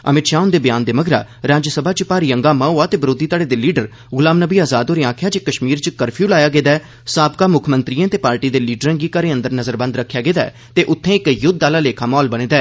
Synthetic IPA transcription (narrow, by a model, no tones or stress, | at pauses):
ə̰mɪt̪ʃaːʊnd̪eːbjaːnd̪eːməɡɾa̰ːɾaːd͡ʒsəbʱaːt͡ʃpaːɾiːə̃ŋɡaːmãːɦoːaːt̪eːbɾoːd̪iːt̪aːɽeːd̪eːliːɖəɾ | ɣʊlaːmnəbiːaːzaːd̪oːɾeːaːkʰjaːd͡ʒeːkəʃmiːɾt͡ʃkəɾpʰjuːlaːjaːɡeːd̪aː | saːbkaːmʊkʰmə̃nt̪ɾiːãːt̪eːpaːɾʈiːd̪eːliːɖəɾãːɡiːkəɾẽːə̃nd̪əɾnəzəɾbə̃nd̪ɾəkʰːjaːɡeːd̪a̰ː | t̪eːʔʊt̪ʰːẽːɪkjʊd̪̚aːlaːleːkʰaːmɔːlbəɽ̃eːd̪aː